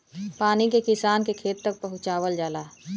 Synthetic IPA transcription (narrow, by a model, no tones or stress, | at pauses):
paːnikekɪsaːnkekʰeːt̪ːɐk̚pɐɦʊ̃t͡ʃaːʋəld͡ʒaːlaː